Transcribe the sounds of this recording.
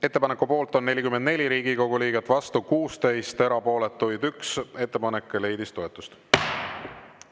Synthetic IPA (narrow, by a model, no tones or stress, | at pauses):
e̞t̪ːepɑnekːˑupo̞ːlt̪ˑo̞nːe̞lʲikymːend̪ne̞lʲiɾiːɡ̥iko̞ɡ̥uliːɡ̥et̪ːˑvɑst̪ukuːst̪e̞jst̪e̞ɾɑpo̞ːlet̪ːujd̪ykse̞t̪ːe̞pɑnekːˑele̞jd̪ist̪o̞e̞t̪ːˑust̪